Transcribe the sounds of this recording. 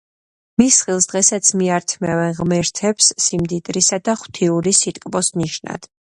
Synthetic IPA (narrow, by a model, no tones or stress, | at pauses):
misχilˠsd̪ʁɛsat̪sʰmiaɾt̪ʰmɛvɛnʁmɛɾt̪ʰɛpsːimd̪it̪ʼɾisad̪aχw̥t̪ʰiuɾisit̪ʼkʼbɔsniʃna̰d̪̥